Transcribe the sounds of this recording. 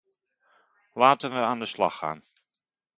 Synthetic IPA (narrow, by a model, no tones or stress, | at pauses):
laːtənʋəaːndəslɑ̰χa̰ːn